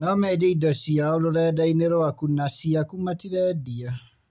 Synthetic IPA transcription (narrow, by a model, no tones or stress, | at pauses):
nɔmɛd͡ʒeidɔsiaoloɾɛdaineɾoakunasiakumatiɾɛdia